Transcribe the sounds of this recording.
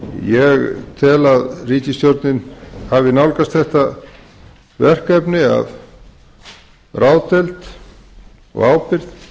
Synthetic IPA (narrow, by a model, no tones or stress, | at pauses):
jɛɣt̪ʰɛlaðriːcɪst̪jɔɾt̪nɪnhavɪnawlkast̪θɛht̪a | vɛr̥kɛpnɪa̰v | rawt̪ɛlt̪ | ɔ̰ɣaːwpɪɾð